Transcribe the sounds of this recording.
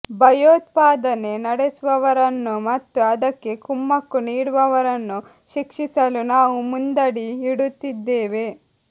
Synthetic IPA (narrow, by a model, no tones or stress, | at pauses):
bʱɐjoːt̪paːd̪ɐne̞nɐɽesuʋɐʋɐɾɐnːumɐt̪ːuɐd̪ɐkːe̞kumːɐkːuniːɽuʋɐʋɐɾɐnːu | ʃikʂisɐlunaːʋumund̪ɐɽiiɽut̪ːid̪ːeːʋe̞